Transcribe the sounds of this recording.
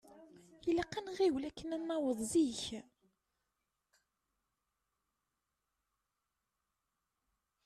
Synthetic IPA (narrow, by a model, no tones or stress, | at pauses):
jələqːænʁiwlækːənænːɑwəðˤziç